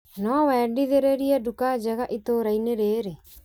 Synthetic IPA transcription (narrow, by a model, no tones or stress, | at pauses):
nɔwɛːɖiðeɾeɾiɛɖukad͡ʒɐɣaʔit̪oɾaineɾeːɾe